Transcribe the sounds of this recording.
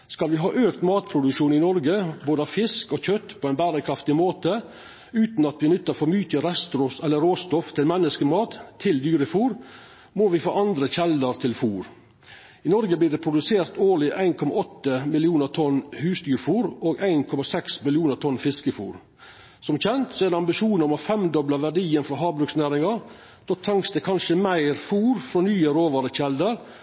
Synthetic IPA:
skɑlʋɪɦɑːʔøːkt̪mɑːt̪pʰɾʊd̪ʉʃuːnɪnɔɾɡəboːd̪əɑʋfɪskɔːçœt̪ːpʰɔæɪnbæːɾəkʰɾɑft̪ɪmoːt̪ə | ʉːt̪n̩ɑt̪ʋɪnʏt̪ːəɾfɔmyːt̪əɾɛst̪ɾʊsɛlːəɾoːst̪ɔft̪ʰɪlmɛnəskəmɑːt̪ʰːɪld̪yːɾəfuːɾ | moːʋɪfo̰ːʔɑnd̪ɾəçɛləɾt̪ʰɪlfuːɾ | ɪnɔɾɡəbliːd̪ɛpʰɾʊd̪ʉseːɾt̪oːɭɪʔæɪnkʰɔmɑ̰ʔɔt̪ːəmɪlɪuːnəɾt̪ʰɔnhʉːsd̪yːɾfuːɾoːɡæɪnkʰɔmɑsɛksmɪlɪuːnəɾt̪ʰɔnfɪskəfṵːɾ | sɔmçɛnt̪sɔæɾd̪ɛɑmbɪʃuːnəɾmɑfɛmd̪ɔblɑʋæɖiːənfɾɔɦɑːbɾʉksnæːɾɪŋɑɾ | d̪̥oːt̪ʰɑŋst̪ɛkʰɑnʂəmæɪɾfuːɾfɾɔːnyːəɾoːʋɑɾəçɛld̪əɾ

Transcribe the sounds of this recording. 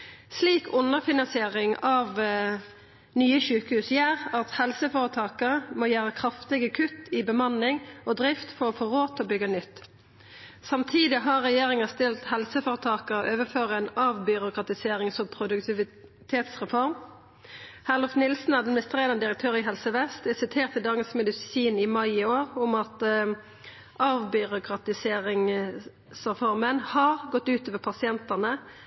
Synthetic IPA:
sliːkʰʊnəʁfɪnɑnsɪeːʁɪŋɑʋ | nyːəʃʉːkəhʉːsjæːʁɑt̪hɛlsəfoːʁət̪ʰɑːkəʁəmoːjæːʁəkʰʁɑft̪ɪɡəkʰʉt̪ɪbəmɑnɪŋɔd̪ɾɪft̪fɔʁɔfoːʁoːt̪ɔbʏɡənʏt̪ː | sɑmt̪ʰiːd̪ɪɦɑʁɛjeːʁɪŋəst̪ɪlt̪hɛlsəfoːʁət̪ʰɑːkəʔøːʋəføːʁəɛnɑʋbʏɾʊkʁɑt̪ɪseːʁɪŋsɔpʰɾʊd̪ʉkt̪ɪʋɪt̪ʰeːt̪sʁɛfɔʁm | hæʁlɔfnɪlsn̩ɑʁɑd̪mɪnɪst̪ʁeːʁənəd̪ɪɾəkt̪ʰøːɾɪɦɛlsəʋɛst̪ɛsɪt̪ʰeːʁt̪ɪld̪ɑŋəsmɛd̪ɪsiːnɪmɑɪoːʁʊmɑt̪ | ʔɑːʋbʏʁʊkʰʁɑt̪ɪseːʁɪŋ | sʁɛfɔʁmənhɑʁɡɔt̪ːʉːt̪oːʋəpʰɑsɪɛnt̪ənə

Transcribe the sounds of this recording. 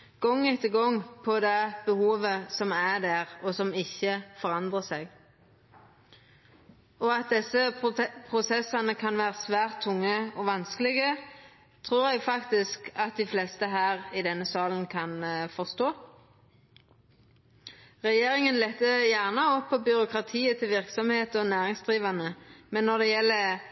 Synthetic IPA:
ɡ̥ɔŋːɪt̪əɡɔŋpʰɔd̪ɛb̥əhuːʋəsɔmæd̪æːʁɔsɔmɪçːəfɔʁɑnd̪ʁəsɛɡ | ɔɑt̪̚d̪ɛsːəpʰʁʊsɛsːɑnəkʰɑnʋæːʁəsʋæːʁt̪ʰːʊŋːəɔʋɑnskəlɪɡə | t̪ʰʁuːʁɛɡfɑkt̪ɪskɑt̪̚d̪ɪflɛst̪əɦæːʁɪd̪ɛnːəsɑːlənkʰɑnfɔʁst̪oː | ʁɛjeːʁɪŋənlɛt̪ːəjæʁnəɔpːɔbʏʁʊkʁɑt̪ʰiːət̪ʰɪlʋɪʁksɔmheːt̪ɔnæːʁɪŋsd̪ʁiːʋɑnəmɛnːɔʁd̪ɛjɛlːə

